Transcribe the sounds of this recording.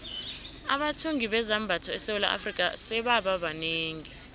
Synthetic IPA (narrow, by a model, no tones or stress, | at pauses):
a̰ɓatʰoŋiɓɛzambʱatʰɔɛsewula̰ʔa̰frikʼa̰sɛɓaɓaɓaneːŋi